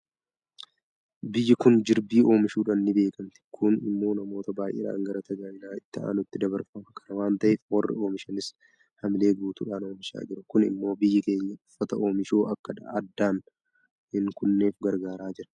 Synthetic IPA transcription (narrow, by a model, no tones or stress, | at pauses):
bɪjːɪkʊnd͡ʒɪɾbiːo̞ːmɪʃuːᶑɐnːɪbe̞ːkɐmt̪ɪ̥kʰʊnɪ̰mːo̞ːnɐmo̞ːt̪ɐbaːjʔḛːᶑa̰ːŋɡɐɾɐt̪ɐɡaːnɪnaːɪt̪ːɐʔa̰ːnʊt̪ːɪd̪ɐbɐɾfɐmɐkʰɐnɐwaːnt̪ɐʔɛfwɐrːɪ̰o̞ːmɪʃɐnɪs | hɐmɪle̞ːɡuːt̪ṵːᶑaːno̞ːmɪʃa̰ːd͡ʒɪɾɐkʊnɪ̰mːo̞ːbɪjːɪke̞ːɲːɐʊ̥fːɐt̪ɐʔo̞ːmɪʃoːʔɐkːɐᶑɐd̪ːaːn | ɪŋkʊnːe̞ːfɡɐɾɡaːɾaːd͡ʒɪɾɐ̥